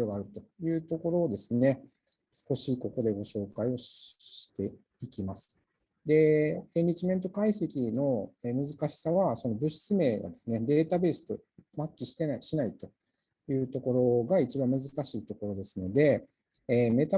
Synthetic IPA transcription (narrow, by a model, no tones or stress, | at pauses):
oɡaːɾɯ̟t̪o̞jɯ̟ːt̪o̞ko̞ɾo̞ːd̪e̞sɨne̞ | sɨ̥ko̞ɕiko̞ko̞d̪e̞ɡo̞ɕo̞ːkaio̞ɕi̥t̪e̞ | ikʲimasɨ̥ | d̪e̞eɲʲid͡ʑimẽ̞nt̪o̞kaise̞kʲino̞eːmɯ̟zɨkaɕi̥saβaso̞no̞bɯ̟ɕi̥t͡sɨme̞ːɡa̰d̪e̞sɨne̞d̪e̞ːt̪abe̞ːsɨ̥t̪o̞ | mat͡ɕiɕi̥t̪e̞naiɕinait̪o̞ | jɯ̟ːt̪o̞ko̞ɾo̞ɡait͡ɕibãmɯ̟zɨkaɕiːt̪o̞ko̞ɾo̞d̪e̞sɨno̞d̪e̞ː | me̞t̪a